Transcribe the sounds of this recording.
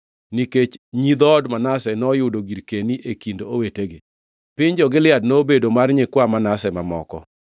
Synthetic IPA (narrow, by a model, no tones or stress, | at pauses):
niket͡ʃɲid̪ɔdmanasɛnɔjʊdoɡiɾkeniʔekindooweteɡɪ | pɪɲd͡ʒɔɡɪlɪadnobedomarɲekwamanasɛmamɔ̰kɔ̰